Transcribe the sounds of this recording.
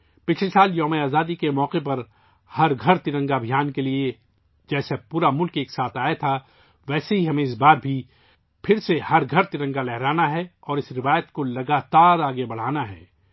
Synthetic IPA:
pɪt͡ʃʰlesaːljɔːmeaːzaːd̪ikemɔːqepɐɾ | hɐɾɡʱɐɾt̪ɪɾə̃ŋɡabʱijaːnkelie | d͡ʒɛːsepuːɾamʊlkeːksaːt̪ʰaːet̪ʰa | ʋɛːseɦiɦɐmẽɪs̬baːɾbʱi | pʰɪɾsehɐɾɡʱɐɾt̪ɪɾə̃ŋɡalɛɦɾaːnaɦɛɔːɾɪsɾɪʋaːjət̪kolɐɡaːt̪aːɾaːɡebɐɽ̤aːnaɦɛ̰ː

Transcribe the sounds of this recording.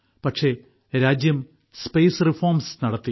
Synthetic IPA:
pɐkʂe̞ | ɾaːd͡ʑjɐm | spejsrifoːrmsnɐɽɐt̪ːi

